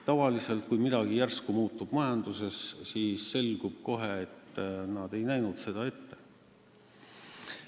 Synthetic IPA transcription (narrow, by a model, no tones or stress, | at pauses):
t̪ɑvɑlise̞lt̪̚kujmid̪̥ɑɡ̥ijærskumuːt̪ːˑub̥mɑjɑnd̪use̞ssiːsːe̞lɡ̥ub̥ko̞ɦe̞ːt̪ːnɑd̪̥e̞jnæjnud̪̥se̞d̪̥ɑe̞t̪ːe̞